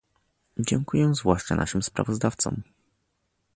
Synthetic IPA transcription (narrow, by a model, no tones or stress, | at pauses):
d͡ʑɛŋkujɛzvwaʂt͡ʂanʔa̰ʂɘmspɾa̰vɔzd̪aft̪sɔ̰m